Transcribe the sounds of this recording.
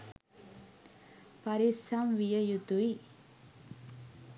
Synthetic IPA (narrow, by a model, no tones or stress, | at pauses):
paɾisamʋijəjud̪ui